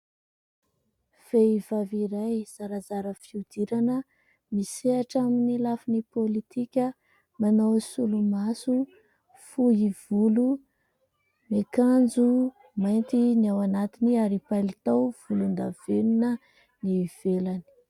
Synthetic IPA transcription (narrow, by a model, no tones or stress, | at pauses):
v̥eiv̥aviɾajz̥aɾazaɾəfiud̪iɾanə | miseaʈ͡ʂaminilafinipolit̪ikʲə | manawsulumasu | fuɦiv̥ulu | mekand͡zu | majnt̪iniawanat̪iniaɾipalit̪awv̥ulund̪av̥eninə | niv̥elani̥